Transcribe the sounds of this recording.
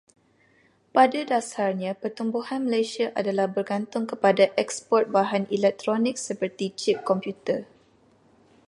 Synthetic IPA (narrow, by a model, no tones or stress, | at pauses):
padadasarɲãpərt̪umbuhanməlajsiaʔa̰dalahbərɡant̪ʊŋkəpadaʔɛkspɔrt̪̚baɦanilɛk̚t̪ɾɔnɪk̚səpərt̪it͡ʃip̚kɔmpjut̪ə